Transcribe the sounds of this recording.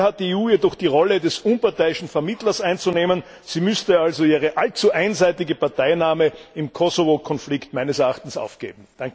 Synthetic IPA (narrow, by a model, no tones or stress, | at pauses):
hat̚d̥iːeːuːjedɔχd̥iːʁɔlədɛsunpaɐtæɪɪʃn̩fɛɐmɪtlɐsʔæɪnt͡suneːmən | z̥iːmʏstəalzoiːʁəʔalt͡suʔæɪnzæɪtɪɡəpaɐtæɪnaːməɪmkʰɔsovokʰɔnflɪktmæɪnəsɛɐaχtn̩sa̰ʊfɡ̥ḛːbm̩d̥aŋk